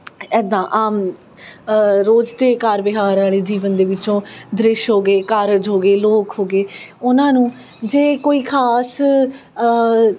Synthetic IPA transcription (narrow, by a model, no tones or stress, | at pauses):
ɛːd̪ãːʔaːm | ɾoːd͡ʒt̪eːkaːɾbɪɦaːɾaːleːd͡ʒiːʋənd̪eːʋɪt͡ʃõːd̪ɾɪʃɦoːɡeːkaɾd͡ʒɦoːɡeːloːkɦoːɡeːʊnãːnũː | d͡ʒeːkoːiːkʰaːs